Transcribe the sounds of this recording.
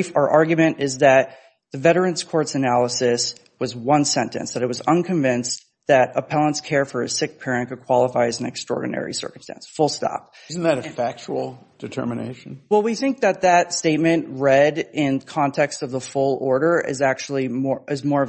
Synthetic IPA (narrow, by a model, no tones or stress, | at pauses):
fə˞ʔɑɹɡjmɨ̃ñɪzðɨt̪̚ | ðɨvɛɾə˞ɨ̃nz̥kʰɔɹtsɨnælˠəsɨs | wʌzwʌ̃nsɛ̃ntɨ̰̃nsðɨɾɨt̚wʌzʌ̃nkʰɨ̃ɱvɪ̃ns | ðɨɾəpʰɛlˠə̃ntskʰɛɹfə˞ɨsɪk̚pʰɛɹɨ̃nkɨd̚kʰw̥ɑlˠəfaɪɨz̃n̩ɨ̰kstɹ̥ɔ̰ɹdⁿn̩ɛ̰ɹḭsɜ̰˞km̩stæ̰̃nsfʊlˠstɑ̰p̚ | zn̩ðɨɾɨfæk̚t͡ʃul̩ˠ | d̥ɨtʰɜ̰˞mɨnḛɪʃn̩wɛlˠwiθɪ̃ŋk̚ðɨt̪̚ðɨtsteɪt̚mɨ̃nʔɹɛɾɪ̃nkʰɑ̃ntʰɛkstʌvðəfʊlˠɔɹɾə˞ʔɪ̰zæk̚t͡ʃul̩ˠimɔʔɨzmɔɹʌ